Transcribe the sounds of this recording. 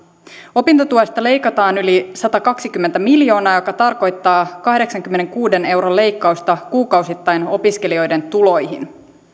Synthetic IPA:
o̞pint̪ot̪uɑst̪ɑle̞jkɑt̪ɑːnylisɑt̪ɑkɑksik̟ymːent̪æmiljo̞ːnɑːjo̞kɑt̪ɑrko̞jt̪ːɑːkɑhde̞ksɑŋkymːene̞ŋkuːde̞ne̞wɾole̞jkːɑust̪ɑkuːkɑwsit̪ːɑjno̞pisk̟e̞lio̞jde̞nt̪ulo̞jɦḭn

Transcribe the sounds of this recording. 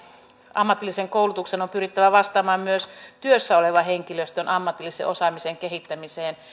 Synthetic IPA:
ɑmːɑt̪ːˑilːiseŋkoulut̪uksenompyrit̪ːæʋæʋɑst̪ɑːmɑːmmyøst̪yøsːæoleʋɑheŋkiløst̪ønʔɑmːɑt̪ilːisḛʔosɑmiseŋkehit̪ːæmiseːn

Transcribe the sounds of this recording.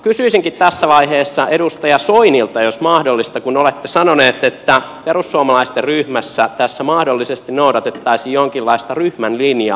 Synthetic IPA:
kysyisiŋkit̪t̪æsːæʋɑiheːsːɑʔedust̪ɑjɑsoinilt̪ɑjosmɑhdolːist̪ɑkunolet̪ːesɑnoneːt̪et̪ːæperusːuɑmɑlɑist̪erryhmæsːæt̪æsːæmɑhdolːisest̪innoudɑt̪et̪ːɑisijjoŋkilːɑist̪ɑryhmænlinjɑ̰

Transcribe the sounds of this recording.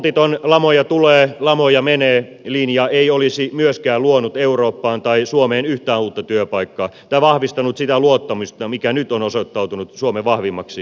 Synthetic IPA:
t̪it̪onlɑmojɑt̪uleːlɑmojɑmeneː | liːnjɑːeiolisimyøskæːluonut̪euroːpːɑːnt̪ɑisuomeːnyht̪æːnuːt̪ːɑt̪yøpɑikːɑːt̪ɑiʋɑhʋist̪ɑnut̪sit̪æluot̪ːɑmist̪ɑmikænyt̪onosot̪ːɑut̪unut̪suomeʋɑhʋimːɑksi

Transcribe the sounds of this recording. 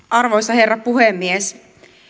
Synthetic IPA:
ʔɑrʋoist̪ːɑherːɑppuhemːies

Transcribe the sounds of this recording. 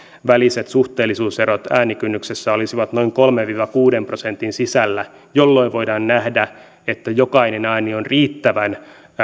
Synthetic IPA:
ʋælise̞t̪suht̪eːlːisuːseɾot̪æːnikynːyksesːæolisiʋɑt̪no̞iŋko̞lmeʋʋiːʋɑkuːdempro̞se̞nt̪insisælːæ | jolːo̞iʋo̞jdɑːnːæhdæ | et̪ːæjo̞kɑinenɑːnionriːt̪ːæʋæn

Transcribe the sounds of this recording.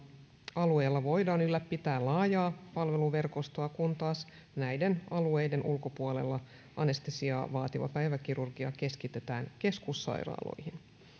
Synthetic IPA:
ɑlue̞jlːɑʋo̞jdɑːnylːæpːit̪æːlɑːjɑːpɑlʋe̞luʋe̞rko̞st̪oɑkunt̪ɑːs | næjde̞nɑlue̞jde̞nʔulko̞puole̞̰lːɑ | ɑne̞st̪isiɑʋɑːt̪iʋɑ̰pæjʋækiɾurɡiɑ̰ke̞skit̪e̞t̪æːŋke̞skusːɑ̰jɾɑ̰ːlo̞̰jhin

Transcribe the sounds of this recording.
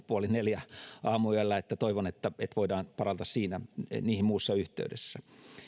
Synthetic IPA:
puɑlineljæʔɑːmuyælːæet̪ːæt̪oiʋonet̪ːæet̪ʋoidɑːnpɑrɑnt̪ɑssiːnæniːhimuːsːɑyht̪ˑḛydḛsːæ

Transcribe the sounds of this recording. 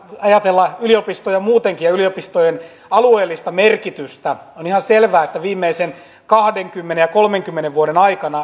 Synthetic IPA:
ɑjɑt̪elːɑyliopist̪ojɑmuːt̪eŋkijjɑyliopist̪ojen | ɑlueːlːist̪ɑmerkit̪yst̪æ | onihɑnselʋæːet̪ːæʋiːmːeisen | kɑhdeŋkymːenejɑkolmeŋkymːeneʋʋuoɾenɑikɑnɑ

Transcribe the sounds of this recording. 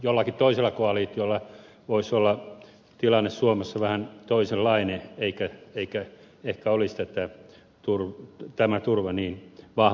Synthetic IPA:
jolːɑkitt̪oiselːɑkoɑliːt̪jolːɑ | ʋoisolːɑ | t̪ilɑnːessuomesːɑʋæhænt̪oiselːɑineeikæeikæ | ehkæolist̪æt̪æ | t̪urʋt̪æmæt̪urʋɑniːnʋɑh

